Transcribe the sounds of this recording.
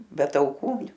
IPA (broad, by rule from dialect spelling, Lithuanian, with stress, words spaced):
bʲɛ tɐʊˈkuː